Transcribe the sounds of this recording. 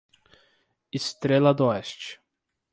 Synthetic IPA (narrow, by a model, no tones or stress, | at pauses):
ɪst̪ɾelɐd̪oɛst͡ʃɪ̥